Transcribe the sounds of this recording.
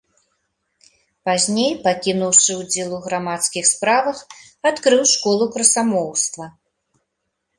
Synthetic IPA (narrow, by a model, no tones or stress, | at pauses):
pazʲnʲejpakʲinuwʂɨwd͡zʲɛlˠuɣɾamat̪skʲixspɾavɐx | at̪kɾɨwʂkɔlˠukɾɐsamɔwst̪vɐ